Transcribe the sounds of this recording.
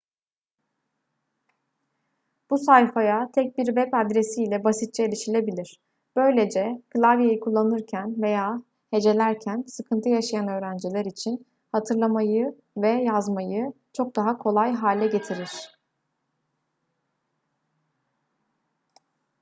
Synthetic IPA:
b̥usajfajat̪ʰɛc̚biɾvɛpad̪ɾe̞siːlʲɛbasit̪̚t͡ʃʰɛelʲiʃilʲe̞bilʲiɾ̥ | b̥ø̞jlʲe̞d͡ʒɛklʲˠavjejikʰulˠːanɯɾcʰænve̞jaː | he̞d͡ʒe̞lʲæɾcʰænsɯkʰɯnt̪ʰɯjaʃajanø̞ːɾænd͡ʒilʲæɾit͡ʃʰin | hat̪ʰɯɾlˠamajɯ | vɛjazmajɯ | t͡ʃʰo̞k̚d̪aɦakʰo̞lˠajɦaːlʲɛɟe̞t̪ʰiɾiɾ̥

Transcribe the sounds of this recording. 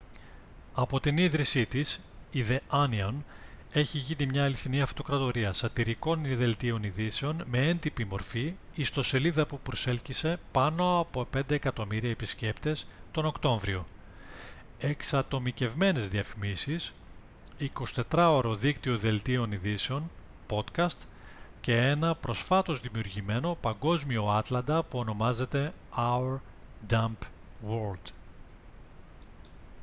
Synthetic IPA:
ɐpo̞t̪iniðɾisit̪is | iðe̞ɐnion | e̞çiʝinimɲɐːliθiniɐft̪o̞kɾɐt̪o̞ɾiɐsɐt̪iɾiko̞niðe̞lt̪io̞niðise̞o̞nme̞end̪ipimo̞ɾfi | ist̪o̞se̞liðɐpupɾo̞se̞lcise̞pɐno̞ɐpo̞pe̞nd̪e̞ːkɐt̪o̞miɾiɐepisce̞pt̪e̞st̪o̞no̞kt̪o̞ɱvɾio̞ | e̞ksɐt̪o̞mice̞vme̞ne̞zðiɐfimisis | iko̞si̥t̪e̞t̪ɾɐo̞ɾo̞ðikt̪io̞ðe̞lt̪io̞niðiseo̞n | po̞t̪kɐst̪ | ce̞enɐpɾo̞sfɐt̪o̞zðimiuɾʝime̞no̞pɐŋɡo̞zmio̞ɐt̪lɐnd̪ɐpuono̞mɐze̞t̪e̞ɐɾ | d̪ɐmp | woɾld̪

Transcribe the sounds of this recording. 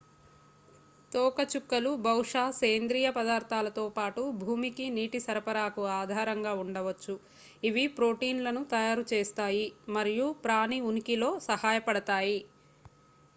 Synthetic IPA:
t̪ɔːkɐt͡ʃukːɐlubʱɐwʂaːseːnd̪ɾiːjɐpɐd̪aːɾt̪ʰaːlɐt̪oːpaːʈubʱuːmikiniːʈisɐɾɐpɐɾaːkuaːd̪ʱaːɾɐŋɡaːuɳɖɐʋɐt͡ʃːu | iʋipɾo̞ːʈiːnlɐnut̪ɐjaːɾut͡ʃeːst̪aːjimɐɾijupɾaːniunikilo̞ːsɐhaːjɐpɐɽɐt̪aːji

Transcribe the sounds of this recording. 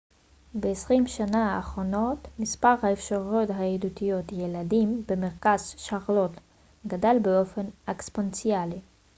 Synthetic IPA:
beesʁimʃanaːχʁo̞no̞tmispaʁhaefʃaʁjotɦaedutijo̞t̪jeladimbemeʁkazʃaʁlot | ɡadalbeo̞fe̞nakspont͡siali

